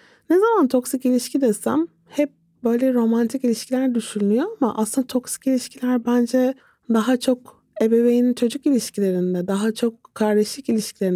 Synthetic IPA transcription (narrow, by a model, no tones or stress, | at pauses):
nezamant̪ʰo̞ksicilʲiʃcʰid̪esæm | hɛp̚ | bø̞jlʲɛɾo̞mant̪ʰikilʲiʃcʰilʲæɾd̪yʃynnyjo̞amaʔa̰slˠɯnd̪at̪ʰo̞ksi̥cilʲiʃcʰilʲæɾbænd͡ʒɛ | d̪aɦat͡ʃʰo̞k | e̞be̞vejinint͡ʃʰo̞d͡ʒykilʲiʃcʰilʲe̞ɾind̪ɛd̪aɦat͡ʃʰo̞kkʰːaɾd̪eʃlˠikilʲiʃcʰilʲe̞ɾi